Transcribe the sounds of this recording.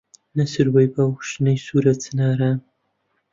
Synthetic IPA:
nɐsɨɾwɐjbawʃnɐjsuːɾɐt͡sʰɨnaːɾaːn

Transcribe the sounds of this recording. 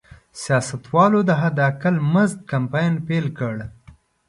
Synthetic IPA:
sjɑsat̪wɑlod̪əɦad̪akəlməzt̪̚kampɑjnpelkəɽ

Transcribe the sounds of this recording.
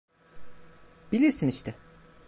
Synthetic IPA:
b̥ilʲiɾsiniʃt̪ɛ

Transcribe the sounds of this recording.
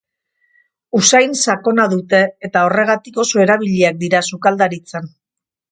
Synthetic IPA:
usajnsako̞naðut̪e̞ːt̪ao̞re̞ɣ̞at̪iko̞soe̞ɾaβ̞iʎiak̚d̪iɾasukald̪aɾit͡san

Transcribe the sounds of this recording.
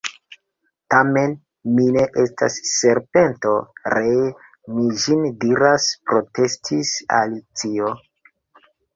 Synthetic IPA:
tame̞n | mine̞ʔestʰa̰sːe̞ɾpe̞nto̞ɾe | mid͡ʒindiɾaspɾo̞te̞stʰisa̰lit͡sio

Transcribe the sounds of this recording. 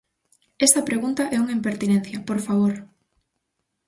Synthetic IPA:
est̪ɐpɾeɣunt̪ɐʔɛuŋimpeɾt̪inɛn̟θjɐpoɾfaβ̞oɾ

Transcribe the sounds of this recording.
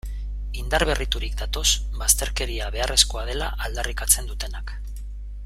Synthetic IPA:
ind̪aɾβ̞e̞rit̪uɾikd̪at̪o̞sbast̪e̞ɾke̞ɾiaβe̞arʔe̞sko̞að̞e̞la̰ʔald̪arikat͡se̞nd̪ut̪e̞nak

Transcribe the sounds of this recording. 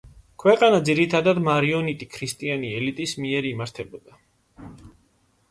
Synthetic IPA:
kʰwɛqʼanad̪ziɾit̪ʰad̪ad̪maɾiɔnit̪ʼikʰɾist̪ʼianiɛlit̪ʼismiɛɾimaɾt̪ʰɛbɔd̪a

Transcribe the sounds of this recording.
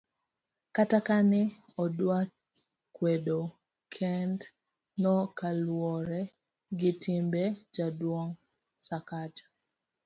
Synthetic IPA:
katakanɪ | ɔdwa | kwedo | kʰɛnd | nɔkalwɔɾɛ | ɡɪtimbed͡ʒadwoŋ | sakad͡ʒ

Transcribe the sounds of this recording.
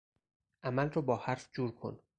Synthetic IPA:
ʔæmælrɒːbɒːhæɾfd͡ʒuːɾkʰo̰n

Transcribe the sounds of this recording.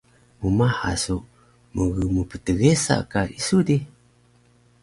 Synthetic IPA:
mumaħa̰su | məɣəmupətəɡesa̰kaisudi

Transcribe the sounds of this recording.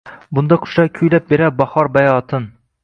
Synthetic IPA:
bʊnd̪aqʰʊ̥ʃakʲʰyjlap̚beɾabɑhɒɾbajɒːt̪ʰɪn

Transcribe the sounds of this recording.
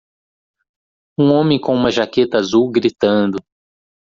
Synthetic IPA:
ũõmẽj̃kõũmɐʒaket̪ɐazuwɡɾit̪ɐ̃nd̪ʊ

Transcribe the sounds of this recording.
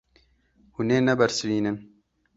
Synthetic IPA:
huneːnɛbɐɾsɾiːnɨn

